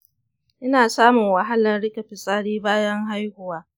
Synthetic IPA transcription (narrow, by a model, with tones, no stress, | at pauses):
ʔɪ˦naː˨saː˦mʊ˨ŋwɐ˨ɦa˦lɐ˨nɽɪ˦kɐ˨ɸɪ˨sʼaː˦ɽiː˦baː˦jɐ˦ŋɦa˦jhʊ˨waː˦